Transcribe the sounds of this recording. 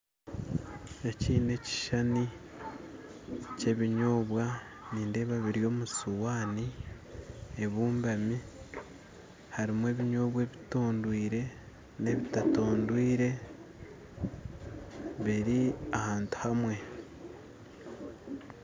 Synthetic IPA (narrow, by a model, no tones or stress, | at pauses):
eciːne̞ci̥ʃani | ce̞βiɲo̞ːβwa | niːnde̞βaβiɾjo̞ːmusuwaːni | eβuːmbami | haɾimwe̞ːβiɲo̞ːβwe̞ːβitoːndwiːɾe̞ | ne̞βitato̞ːndwiːɾe̞ | βiɾiahaːntu̥hamwe̞